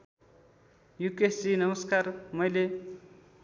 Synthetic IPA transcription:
jukesinʌmʌskarmʌjle

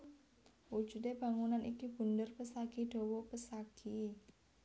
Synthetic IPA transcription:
wu̥d͡ʒ̥ṳdeb̥a̤ŋunanikib̥ṳndərpəsaɡ̥iɖ̪̥ɔ̤wɔpəsaɡ̥i

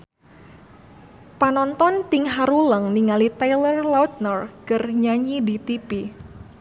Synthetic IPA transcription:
panɔnt̪ɔnt̪ɪŋɦaɾuləŋniŋalit̪ajlərlawt̪̚nɔrkərɲaɲidit̪ipi

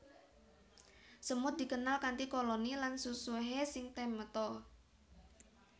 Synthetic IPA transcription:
səmʊt̪̚d̪̥i̤kənalkant̪ikolonilansusuɦesɪŋt̪emət̪ɔ

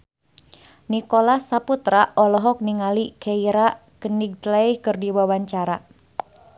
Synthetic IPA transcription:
nikolasaput̪ɾaʔɔlɔɦɔk̚niŋalikeiɾa | kəniɡ̚t̪laihkɨrdiwawaɲt͡ʃaɾa

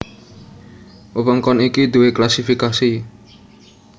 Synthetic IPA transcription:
əwəŋkɔnikid̪uweklasifikasi

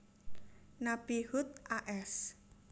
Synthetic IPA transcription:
nabihut̪̚ʔaʔɛs

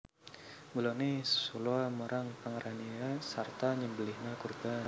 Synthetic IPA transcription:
bulɔnɪhsuluaməɾaŋpəŋəɾaniasart̪aɲəmbəlɪhnakurba

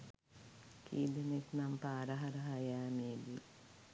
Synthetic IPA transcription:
kʰiːd̪enek̪nampaːɾaɦaɾəɦajæːmeːd̪i

